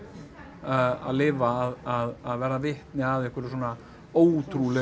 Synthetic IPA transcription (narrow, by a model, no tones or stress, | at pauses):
a̰ðlɪːvaːðaðaðvɛːɾavɪht̪nɪaðɛhkvɪɾʏs̬wɔːna | oːwt̪ʰɾulɛ